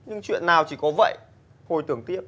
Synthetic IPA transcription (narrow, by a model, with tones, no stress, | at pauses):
ɲɨ˧ŋt͡ɕwḭ˧˨ənːaː˨˩wt͡ɕi˧˩kɔ˨˦və̰˧˨j | ho˨˩jt̪ɨ˧˩əŋt̪i˦˥əp̚